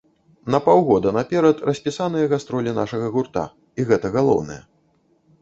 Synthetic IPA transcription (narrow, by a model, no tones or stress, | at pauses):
nɐpawɣɔd̪ɐnapʲɛɾɐt̪rɐsʲpʲisanɨjɐɣast̪ɾɔlʲina̰ʂɐɣɐɣurt̪a̰ | iɣɛt̪ɐɣalˠɔ̰wnɐjɛ